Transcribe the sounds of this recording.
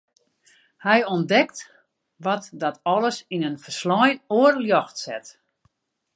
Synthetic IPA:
hɛjɔndɛkt | ʋɔtdɔtɔləsinənfərslɔjnoːərljɔxtsɛ̰t

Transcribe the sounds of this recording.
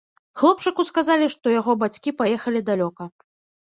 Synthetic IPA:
xlˠɔp̚t͡ʂɨkuskazalʲiʂt̪ɔjaɣɔbat͡sʲkʲipajɛxɐlʲid̪alʲɔkɐ

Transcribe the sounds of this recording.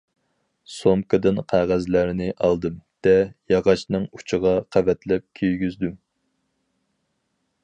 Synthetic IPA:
somkɨd̪ɨnqʰæʁæzlæɾnɪʔɑlˠd̪ɨmd̪̥ɛjɑʁɑʃnɨŋu̥t͡ʃʰəʁɑqʰævɛt̪lɛp̚kʲʰøjɡʲyzd̪ym

